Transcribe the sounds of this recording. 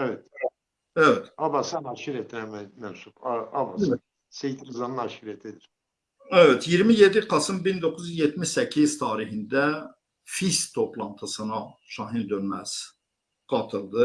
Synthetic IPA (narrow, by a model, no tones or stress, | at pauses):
evɛt̪ | ævɛt̪ʰɑbɑsænɑʃiɾet̪ʰmæmmæmsupɑbɑ | sejt̪ʰiɾɯzɑnɯnɑʃiɾet̪ʰed̪iɾ | ævɛt̪ʰjiɾmije̞d̪iqʰɑsɯmbind̪o̞kʰuzyzjet̪ʰmiʃsæcʰiz̥t̪ʰɑːɾihind̪æ | fist̪ʰo̞plˠɑnt̪ʰɯsɯnɑʃɑɦind̪ønmæz̥ | ɡ̥ɑt̪ʰɯlˠd̪ɯ